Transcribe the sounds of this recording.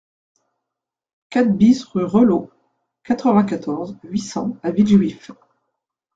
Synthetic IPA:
kat̪̚bisʁyʁəlo | kat̪χəvɛ̃k̬at̪ʰɔʁzɥisɑ̰̃aviʒwif

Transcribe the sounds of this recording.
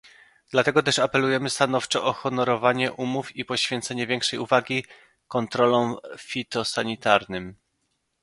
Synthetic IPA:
d̪̥lat̪ɛɡɔt̪ɛʂapɛlujɛmɘst̪an̪ɔft͡ʂɔʔɔxɔnɔɾɔvaɲɛʔumufipɔɕfʲjɛnt̪sɛɲɛvʲjɛŋkʂɛjuvaɡʲi | kɔnt̪ɾɔlɔ̃w̃fʲit̪ɔsaɲit̪aɾnɘm

